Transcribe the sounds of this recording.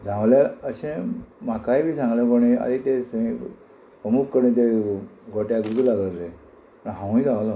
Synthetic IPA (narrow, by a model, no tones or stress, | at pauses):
d͡zʱãʋlaəɕẽmakajbʱiːsãŋɡləkoɽ̃ia̰d̪it̪es | pɾəmukːəɾnẽt̪̬eɡʱoʈjaɡut̪ulaɡəɾle | pəɳɦãw̃id͡zʱãʋla